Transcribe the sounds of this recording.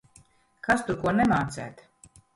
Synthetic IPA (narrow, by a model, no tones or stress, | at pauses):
kast̪uɾkuɔnɛmaːt̪sæ̰ːt̪